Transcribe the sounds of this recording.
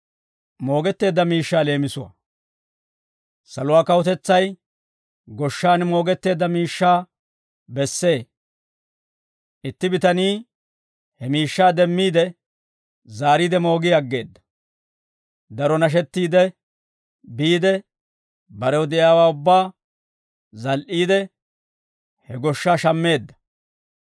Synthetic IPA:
mo̞ːɡɛt̪ːe̞ːd̪ːɐmiːʃːaːle̞ːmɪsʊwa̰ | sɐlʊwaːkɐwɔt̪ɛt͡sːɐj | ɡɔʃːaːnmo̞ːɡɛt̪ːe̞ːd̪ːɐmiːʃːaː | bɛsːe̞ː | ʔɪt̪ːɪbɪt̪ɐniː | hɛmiːʃːaːd̪ɛmːiːd̪ɛ | zaːɾiːd̪ɛmo̞ːɡiɐɡːe̞ːd̪ːɐ̥ | d̪ɐɾɔnɐʃ̬ɛt̪ːiːd̪ɛ | biːd̪ɛ | bɐɾɛwɔd̪ɪjaːwaːʊbːaː | zɐlʔiːd̪ɛ | hɛɡɔʃːaːʃɐmːe̞ːd̪ːɐ̥

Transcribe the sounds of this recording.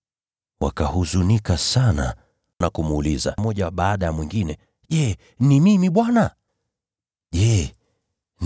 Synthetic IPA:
wa̰kahuzunikasana | nakumuliza̰mɔʄawaɓaːɗajamwiŋɡinɛ | ʄɛ | nimimiɓwana | ʄɛ | n

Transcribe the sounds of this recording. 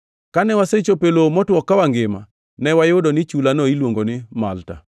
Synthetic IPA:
kanɛwaset͡ʃopelomɔtwɔkːawaŋɡɪma | nɛwajʊdɔnɪt͡ʃulanɔilwoŋɡonɪma̰lta̰

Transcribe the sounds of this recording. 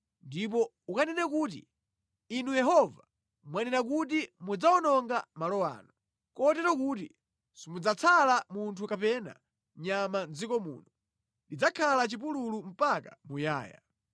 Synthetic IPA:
ndip̬ɔ | ukanɛnɛkuːtḭː | nujɛɦɔva | mwanɛnak̬ut̬imud͡zaɔnɔŋɡamalɔwa̰ːnɔ | kɔtɛtɔkuti | simud͡zat͡sʰalamuntʰukapɛna̰ | ɲamand͡zikɔmṵːnɔ | did͡zakʰalat͡ʃip̬ululum̩pakamuja̰ːja̰

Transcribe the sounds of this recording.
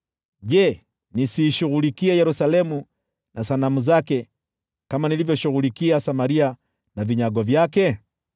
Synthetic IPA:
ʄɛ | nisiːʃuɣulikiɛjɛɾusalɛmu | nasanamuzakɛ | kamanilivjɔʃuɣulikiasamaɾia | naviɲaɡwavjakɛ

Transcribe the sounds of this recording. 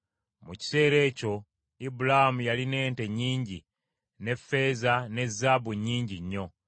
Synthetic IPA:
muci̥se̞ːɾe̞ːco̞ | ibulahamujaline̞ːnte̞ɲːiːɲɟi | ne̞fːe̞ːzane̞zːaːβuɲːiːɲɟiɲːo̞

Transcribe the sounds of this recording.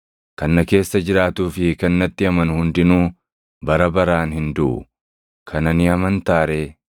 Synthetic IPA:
kɐnːɐke̞ːsːɐd͡ʒɪɾaːt̪uːfɪkɐnːɐt̪ːɪɐmɐnhʊnd̪ɪnuː | bɐɾɐbɐɾaːnhɪnd̪ʊʔʊ̰ | kʰɐnɐnɪɐmɐnt̪aːɾeː

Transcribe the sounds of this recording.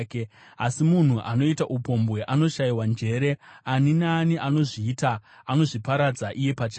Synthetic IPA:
ke | asimun̤uʔano̞itaʔupo̞mbwe̞ʔano̞ʃaiwand͡ʒe̞ɾe̞aninaːniʔano̞ʐiːtaːno̞ʐipaɾad͡zaʔije̞pat͡ʃː

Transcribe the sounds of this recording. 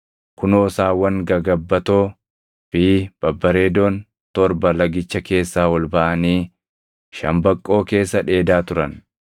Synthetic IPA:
kʊnɔːsaːwɐŋɡɐɡɐbːɐt̪oː | fiːb̥ɐbːɐɾe̞ːd̪oːn | t̪ɔɾbɐlɐɡɪt͡ʃːɐke̞ːsːaːwɔlbɐʔɐniː | ʃɐ̰mbɐkʼːo̞ːke̞ːsːɐᶑe̞ːd̪aːt̪ʊɾɐn

